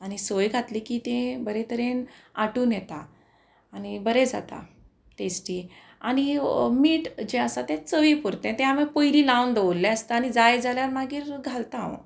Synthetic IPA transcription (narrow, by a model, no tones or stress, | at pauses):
añisojɡʱat̪liːkiːt̪ẽbəɾet̪əɾẽnaʈuːnjɛt̪aː | nibəɾed͡za̰t̪a̰ | ʈesʈiː | añimiːʈd͡ʑẽəsat̪ẽt͡səʋipuɾt̪ẽt̪ɛ̃ɦamepojliːlãwnd̪əʋolːɛ̃əst̪aañid͡zajd͡zaljaɾmaɡiːɾɡʱalt̪ãw